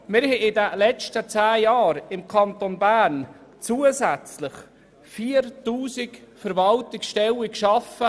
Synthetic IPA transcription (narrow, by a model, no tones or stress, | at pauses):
mɪɾhɛɪd̪əlɛt͡ʃtət͡sæːjɑːɾɪmkʰɑnt̪onbæɾn | t͡suːəsæt͡sləχ | fiːəɾtuːsikfəɾvɑltɪksʃtɛwikʃɑfə